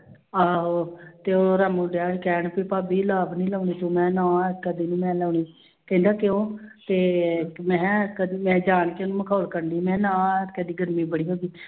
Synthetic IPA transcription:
aːɦoːt̪eːoːɾaːmũːɖjaːekɛːɳpiːpaːbiːlaːbnĩːləːʊɳniːt̪õːmɛ̃ːnãːkəd̪iːnĩːmɛ̃ːlɛːʊɳiː | kɛ̃ind̪aːkɪõːt̪eːmɛ̃ːkəd̪imɛ̃ːd͡ʒaːnkenũːməkʰaːlkəɾɳiːmɛ̃ːnãːkəd̪iːɡəɾmiːbəɽ̃iːɦoːɡiː

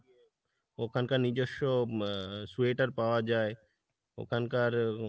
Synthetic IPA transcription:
okʰankanid͡ʒoʃo | sueːʈəɾpaʋad͡ʒaːe | o̰kʰankaɾ

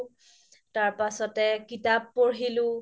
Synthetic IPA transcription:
taɹpasɔtɛkitapːoɹɦilʊ

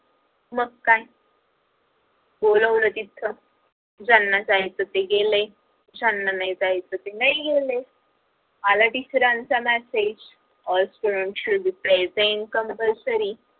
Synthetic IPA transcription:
məɡkai | boləʋlət̪it̪ʰːə | d͡zanːasaɦit̪ət̪eɡele | d͡zanːanajd͡zaɦit̪ət̪enaiɡele | malaʈifəɾãnt͡samæsed͡ʑ | ɔlsʈuɽəɳʈud̪ipɛzeɳʈkəmpəlsəɾi

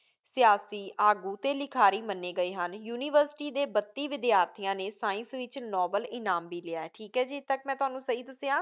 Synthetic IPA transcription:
sɪjaːsiːʔaːɡuːt̪eːlɪkʰaːɾiːmənːeːɡəiːɦənjuːniːʋəɾsʈiːd̪eːbət̪ːiːʋɪd̪ɪjaːɾt̪ʰɪjãːneːsaːɪ̃nsʋɪt͡ʃnɔːbəlɪnaːmbiːlɪaːɛːʈʰiːkɦɛːd͡ʒiːt̪ːəkmɛ̃ːt̪ʊɦaːnũːsəɦiːd̪əseãː

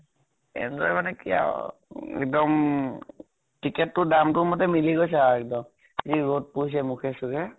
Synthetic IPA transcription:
ɛ̰ndɔjmanɛkija̰ɛ̰k̚dɔm | tikɛtːʊdamtʊmɔtɛmiliɡojs̬aɛk̚dɔm | ziɹot̚pois̬ɛmukʰɛsuɡɛ

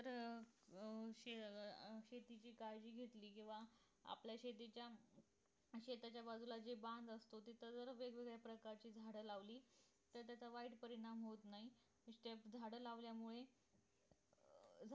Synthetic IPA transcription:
t̪əɾ | ɕeɕet̪it͡ɕiːkajd͡ʑiːɡʱet̪liːkĩw̃ʋa | a̰pljaɕet̪et͡ɕja | ɕet̪at͡ɕjabad͡zʱulad͡ʑeband̪əst̪ot̪it̪əd͡zəɾʋeɡʋeɡɭapɾəkaɾt͡ɕiːd͡zʱaɽəlaʋliː | t̪əɾt̪jat͡sʰaʋaiʈpəɾiɽ̃amɦot̪nai | sʈ̪epd͡zʱaɽəlaʋljamuɭe | d͡zʱ

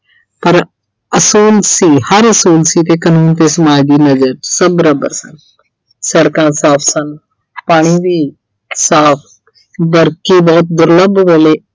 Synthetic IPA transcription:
pəɾ | əsuːlsiːhəɾəsuːlsiːt̪eːkənuːnt̪eːsəmaːd͡ʒd̪iːnəzəɾsəbəɾə̃bə̰ɾsən | səɽkãːsaːpʰsən | paːɽ̃iːbiː | saːpʰ | bəɾkiːbɔːt̪̚d̪ʊɾləbʋəːleː

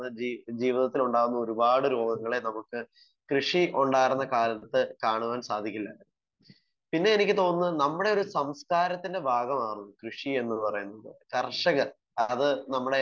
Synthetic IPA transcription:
ɐid͡ʑiːʋiðɐt̪ːiluɳɖaːʋunːɐo̞ɾubaːɽɨɾoːɡɐŋːɐɭe̞nɐmukːɨ | krɨʂiʔuɳɖaːjiɾunːɐkaːɾɐnɐt̪ːɨkaːɳuʋaːnsaːd̪ʱikʲːilːɐ | pinːe̞enikʲːɨt̪o̞ːnːɨnɐmːuɽe̞o̞ɾusɐmskaːɾɐt̪ːinde̞bʱaːɡɐmaːrunːukrɨʂie̞nːɨpɐrɐjunːɐðɨ̰kɐrʂɐɣɐ | ɐðɨnɐmːuɽe

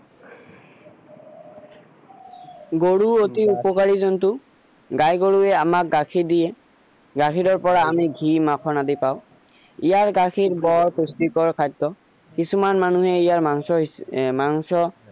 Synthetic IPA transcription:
ɡoɹuotiupɔkaɹizɔntʊ | ɡajɡoɹuɛamak̚ɡakʰidijɛ | ɡakʰiɹɔɹpɔɹaːmiɡʱimakʰɔnadipaʊ | ijaɹɡakʰiɹbɔɹpustikɔɹkʰajdːɔ | kisumanmanuɦɛijaɹaŋsɔmaŋsɔ

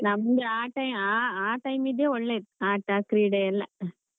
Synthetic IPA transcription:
nɐmɡɐaːʈːɐɪmaːaːʈɐɪmiðjeɔɭːɐðaːʈːaːkɾiɽɐɛlːɐ

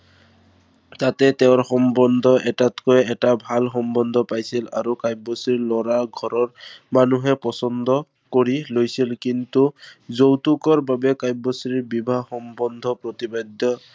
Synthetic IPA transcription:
tatɛtɛʊ̃ɹxɔmbɔnd̪ʱɔʔɛtatkɔjɛtabʱalxɔmbɔnd̪ʱɔpajsila̰ɹukajbosilɔɹaɡʱɔɹɔɹmanuɦɛpɔsɔndɔ | koɹilojsilkintuzowtukɔɹbabɛkajbosɹibibʱaxɔmbɔnd̪ʱɔpɹot̪ibad̪jɔ

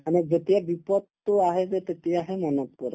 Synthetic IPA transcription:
añid͡zet̪jaʋipɔt̪ːoaɦed͡zet̪et̪iaɦemənət̪̚kuɾ

